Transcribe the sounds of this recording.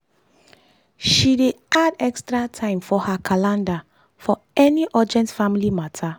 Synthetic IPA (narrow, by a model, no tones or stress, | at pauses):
ʃide | adɛkstɹatʰãɪ̃mfɔhakʰalãnda | fɔ | ɛniʔɔd͡ʒɛ̃ntfamilimatʰa